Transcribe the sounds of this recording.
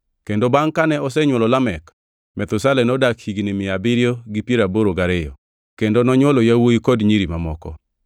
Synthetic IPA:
kendobaŋkanɛɔsɛɲwɔlɔlamɛk | mɛt̪ʊsalɛnɔdakhiɡnɪmɪabɪɾjoɡipjeɾaboɾoɡaɾɪjɔ̰ | kendonɔɲwɔlɔjawoikodɲiɾimamɔkɔ̰

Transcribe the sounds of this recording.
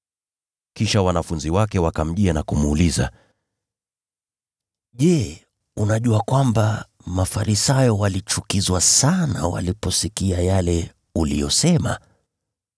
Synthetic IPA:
kiʃawanafunziwakɛwakam̩ʄianakumuːliza̰ | ʄɛ | unaʄuakwamba | mafaɾisajɔwalit͡ʃukizwasana̰wa̰lipɔsikiajalɛ | ulijɔsɛma̰

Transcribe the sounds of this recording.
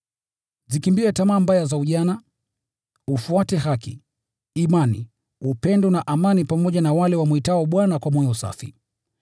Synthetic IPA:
zikimbiɛtamaːmbajazauʄana | ufuatɛhakḭː | manḭ | upɛndɔnaʔamanipamɔʄanawalɛwamwitawɔɓwanakwamɔjɔusa̰fḭ

